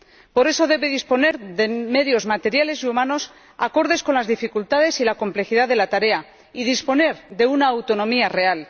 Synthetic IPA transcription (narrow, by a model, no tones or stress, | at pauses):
po̞ɾeso̞ðe̞βe̞ðispo̞ne̞ɾðe̞me̞ðjo̞zmat̪e̞ɾjale̞siumano̞s | ako̞ɾðe̞sko̞nlazðifikult̪að̞e̞silako̞mple̞xiðaðe̞lat̪aɾe̞a | iðispo̞ne̞ɾðe̞unaːwt̪o̞nõ̞miare̞al